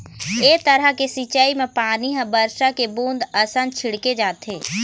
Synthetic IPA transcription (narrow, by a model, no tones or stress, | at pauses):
eːt̪əɾəkesit͡ʃaimẽpaːniɦə̃bəɾʃakebũːnd̪əsə̃nd̪t͡ʃʰɪɽked͡ʒaːt̪ɦeː